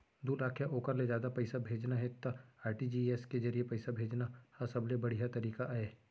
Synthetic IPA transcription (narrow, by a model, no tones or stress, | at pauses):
d̪uːɾaːkʰjaʔoːkəɾled͡ʒjaːd̪apɛɪsabʱeːd͡ʒnaɦɛt̪aaːɾʈid͡ʒiːeskezɐɾiepɛɪsabʱeːd͡ʒnahasɐblebɐɽ̤ijat̪ɐɾiːkaʔɦeː